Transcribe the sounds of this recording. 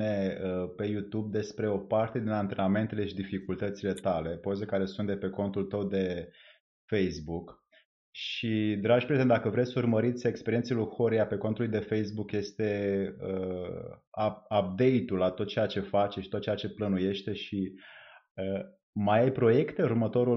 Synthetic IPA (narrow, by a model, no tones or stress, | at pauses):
ne̞əpe̞jut̪ub̚d̪e̞spɾe̞o̞part̪e̞d̪inant̪ɾename̞nt̪e̞le̞ʃid̪ifikult̪ət̪sile̞t̪ale̞po̞zekaɾe̞sunt̪d̪e̞pe̞ko̞nt̪ult̪əwd̪e̞ | fe̞jsbuk | ʃid̪ɾad͡ʒpɾezend̪akəvɾe̞sʲsurməɾit̪sʲe̞kspe̞ɾienselujxoɾiape̞ko̞nt̪ulujd̪e̞fe̞jsbukje̞st̪e̞ə | aap̚d̪e̞jt̪ulat̪o̞t̪̚t͡ʃe̞jat͡ʃe̞fat͡ʃʃi̥t̪ot̪̚ːt͡ʃejat͡ʃe̞plənuje̞ʃt̪e̞ʃi | ə | majajpɾo̞je̞kt̪e̞urmət̪o̞ɾu